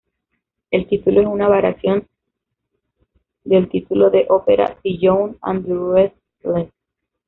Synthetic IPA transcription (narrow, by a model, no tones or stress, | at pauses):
e̞lt̪it̪uloesunaβaɾasjo̞n | d̪elt̪it̪ulo̞ðeʔopeɾa̰diʝowna̰nd̪ɾues | le